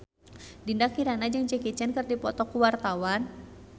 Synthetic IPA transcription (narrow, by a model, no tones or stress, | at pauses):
dindakiɾanad͡ʒɨŋt͡ʃɛkit͡ʃɛnkərdipɔt̪ɔkuwart̪awan